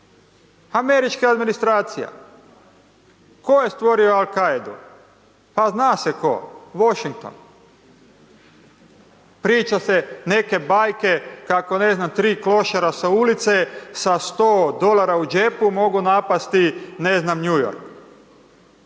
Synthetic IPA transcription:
ame̞ɾit͡ʃkaad̪minist̪ɾaːt̪sija̰ | ko̞jest̪ʋo̞ɾio̞alˠkajd̪ṵ | paznaːseko̰ʋoʃiŋk̚t̪o̞̰n | pɾiːt͡ʃasene̞ke̞bajke̞kako̞ne̞znamt̪ɾiːklo̞ʃaɾasaulit̪sesast̪oːd̪o̞laɾaud͡ʒepumo̞ɡunapast̪ine̞znamɲujo̰ɾk

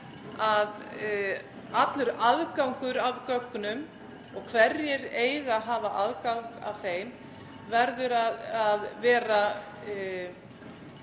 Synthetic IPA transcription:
að | at̪lʏɾaðkawŋkʏɾavkœkːʏnʏm | ɔɣkʰvɛrːjɛɾeːjɣaɦaːvaʔaðkawŋka̰vθeːjm | vɛɾðʏɾaðaðvɛːɾa

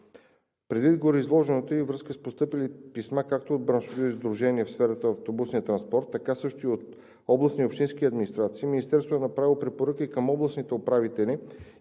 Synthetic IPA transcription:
pɾɛd̪vid̪ɡoɾiizlˠɔʒɛnot̪oivɾɤskəspost̪ɤpilipismakak̚t̪ood̪̚bɾanʃvot̪oizd̪ɾuʒɛniɛfsfɛɾət̪əɐft̪obusnijət̪ɾɐnspɔɾt̪ːɐkasɤʃt̪oiot̪ | ɔblˠəsniopʃt̪inskiɐd̪minist̪ɾat̪siːminist̪ɛɾst̪voɛnɐpɾavilˠopɾɛpoɾɤkikəmɔblˠəsnit̪ɛopɾavit̪ɛlʲi

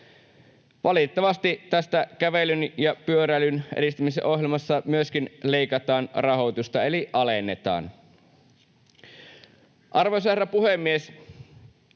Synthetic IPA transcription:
ʋɑlit̪ːɑʋɑst̪it̪æst̪ækæʋelynjɑpyøɾælynʔḛɾist̪ymisḛʔo̞ɦjelmɑsːɑmyøsk̟inle̞ikɑt̪ɑːnrɑɦot̪ust̪ɑe̞liʔɑlenːet̪ɑ̰ːn | ʔɑrʋosɑerɑpuhemːies

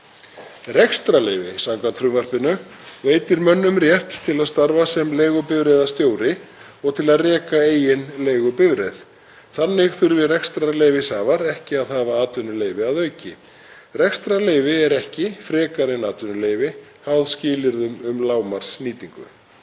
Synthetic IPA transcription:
rɛxst̪ɾaleːjvɪ̰sawŋkʰvant̪ʰɾʏvar̥pɪnːʏveːjt̪ɪɾmœnːʏmrjɛht̪ːʰɪlaðst̪aɾvasɛmleːjɣʏpɪvɾɛðast̪joːwɾɪ | ɔɣt̪ʰɪlaðrɛːkaeːjɪnleːjɣʏpɪvɾɛ̰ð | θanːɪɣθʏɾvɪrɛkst̪ɾaleːjvɪsaːvaɾɛhcɪaðhaːvaaːt̪ʏnʏleːjvɪaðœːɥcɪ | rɛkst̪ɾaleːjvɪɛɾɛhcɪfɾɛːkaɾɪnaːt̪ʏnʏleːjvɪhawðscɪːlɪɾðʏmʏmlaːwmar̥sniːt̪iŋkʏ̰

